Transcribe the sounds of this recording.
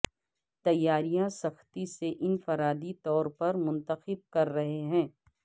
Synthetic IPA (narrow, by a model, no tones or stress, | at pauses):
t̪ɐjːaːɾijãsɐxt̪iseʔɪnfɐɾaːd̪it̪ɔːɾpɐɾmʊ̃nt̪əxɪb̚kɐɾːɐɦeɦɛ̃ː